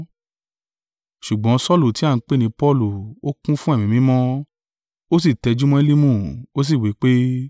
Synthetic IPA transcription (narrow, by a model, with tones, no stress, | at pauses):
ʃu˨ɡ͡bɔ̃˨˦sɔ˦lu˦˨ti˨˦a˦˨ŋ̩˨˦k͡pe˦nĩ˧˦pɔ˦˨lu˨o˦kũ˦fũ˦e˦˨mĩ˨mĩ˨˦mɔ̃˦ | o˦s̬i˦˨tɛ˧d͡ʒu˦mɔ̃˦i˦li˦mũ˦˨o˦s̬i˦˨wi˨˦k͡pe˦